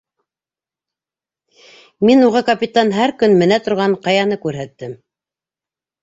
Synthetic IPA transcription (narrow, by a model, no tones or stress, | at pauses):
minuʁɤkɐpʲit̪ɑnɦæɾkɵnmɘ̆næt̪ŏɾʁɑɴqɑjɑnɤkʉɾɦæt̪ːɘm